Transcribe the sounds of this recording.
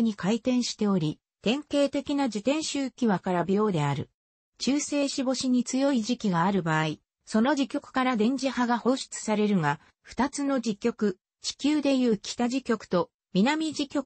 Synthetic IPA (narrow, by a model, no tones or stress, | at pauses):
ɲ̟ikait̪ẽ̞ɰ̃ɕi̥t̪e̞o̞ɾʲi | t̪ẽ̞ŋke̞ːt̪e̞kʲinad͡ʑit̪ẽ̞ɰ̃ɕɨːkʲiβakaɾabʲijo̞ːd̪e̞aɾɯ̟̰ | t͡ɕɨːse̞ːɕibo̞ɕiɲ̟it͡sɨjo̞iʑikʲiɡaːɾɯ̟baːi | so̞no̞ʑikʲo̞kɯ̟̥kaɾad̪ẽ̞ɲ̟d͡ʑihaɡaho̞ːɕi̥t͡sɨ̥saɾe̞ɾɯ̟ŋa | ɸɯ̟̥t̪at͡sɨno̞d͡ʑikʲːo̞kɯ̟ | t͡ɕi̥kʲɨːd̪e̞jɯ̟ːkʲi̥t̪aʑikʲo̞kɯ̟̥t̪o̞ | mʲinamʲid͡ʑikʲo̞k